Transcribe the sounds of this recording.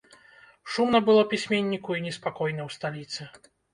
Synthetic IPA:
ʂumnɐbɨlˠɔpʲisʲmʲenʲːikuinʲɛspakɔjnɐwst̪alʲit̪sɨ

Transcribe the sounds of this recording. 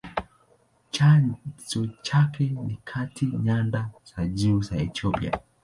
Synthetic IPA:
t͡ʃazɔt͡ʃakɛnikʰatʰiɲandaz̥aʄuːzaɛtiɔpia̰

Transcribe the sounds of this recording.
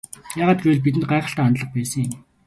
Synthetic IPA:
jaːʁaːt̪̚ɡujɘ̆ɮp̬it̪ɘnt̪ɢaæːχə̆ɬt̪æːnt̪ɮə̆χ̚pæːsə̆ŋɪm

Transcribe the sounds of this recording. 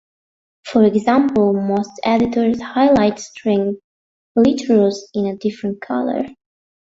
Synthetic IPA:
fɔɹɛɡzæ̃mpəl̩ˠmostɛdɨtʰɔɹzhaɪlaɪtstʰɹɪ̃ŋ | lɪtʰəɹəlˠzɪ̃nədɪfɹə̃nt̚kʰʌ̰lˠə̰ɹ

